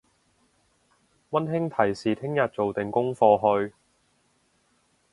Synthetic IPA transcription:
wɐ˥nɦɪ˥ŋt̪ʰɐ˨˩jsiː˨t̪ʰɪ˥ŋjɐ˨t̚t͡so˨wt̪ɪ˨˩ŋkʊ˥ŋfɔː˧ɦɵ˧ɥ

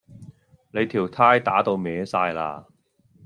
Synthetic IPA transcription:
le˨˧jt̪ʰiː˨˩wt̪ʰaː˥jt̪aː˨˥t̪o˧wmɛː˨˧saː˧jla̰ː˧

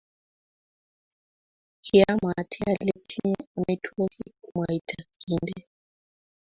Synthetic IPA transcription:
kʰia˦matʰi˦a˦lɛ˦tʰi˦a˨mɛ˦tʰwɔ˦ki˦kuma˨i˨tʰa˨ki˦ndɛ˦

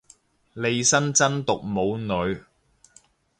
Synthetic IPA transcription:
le˨˧jsɐ˥nt͡sɐ˥nt̪ʊ˨k̚mo˨˧wnɵ˨˧ɥ

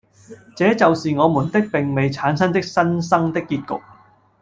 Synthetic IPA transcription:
t͡sɛː˨˥t͡sɐ˨wsiː˨ŋɔː˨˧mu˨˩nt̪ɪ˥k̚pɪ˨ŋme˨jt͡sʰaː˨˥nsɐ˥nt̪ɪ˥k̚sɐ˥nsɐ˥ŋt̪ɪ˥kːiː˧t̚kʊ̰˨k̚

